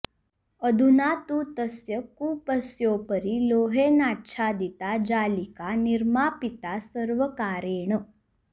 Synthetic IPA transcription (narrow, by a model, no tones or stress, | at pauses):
əd̪ʱunat̪ut̪əsjəkuːpəsjoːpəɾiloːɦenaːʈːʃʰad̪it̪ad͡ʒaːlikaniɾmapit̪asəɾʋəkaːɾeːɳə